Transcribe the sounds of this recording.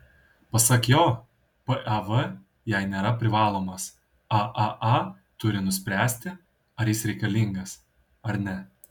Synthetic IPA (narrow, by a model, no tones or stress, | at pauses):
pɐsɐkjoː | pəʔɛʋə | jɛɪnʲeːɾɐpʲɾʲɪʋɑːlˠoːmɐs | ɐʔɐʔɐ | t̪ʊɾʲɪnʊsʲpʲɾʲæːsʲt̪ʲɪ | ɐɾʲjɪsɾʲɛɪkɐlʲɪŋɡɐs | ɐɾnʲɛ